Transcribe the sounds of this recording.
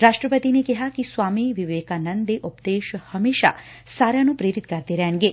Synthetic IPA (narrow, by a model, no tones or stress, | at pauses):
ɾaʃʈɾəpət̪inekɛɦakisʋaːmiʋiʋeːkanənd̪eʔʊpd̪eːʃhəmeːʃa̰ | saɾjanũpɾeɾit̪kɐɾt̪eɾɛɳ̃ɡe